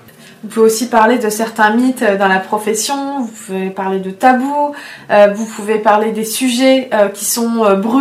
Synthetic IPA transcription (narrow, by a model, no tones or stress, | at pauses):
ũføosipaʁled̪əsɛʁt̪ɛ̃mit̪ød̪ɑ̃lapχɔfɛsjɔ̃vupuvepaʁled̪ət̪abuøvupʰuvepaʁled̪esyʒɛøkʲi̥sɔ̃øbʁy